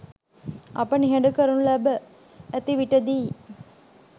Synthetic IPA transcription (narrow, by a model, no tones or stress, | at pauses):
ʔɐ̰pɐniɦɛɳɖukɐɾunulæbə | æt̪iʋiʈɐd̪iː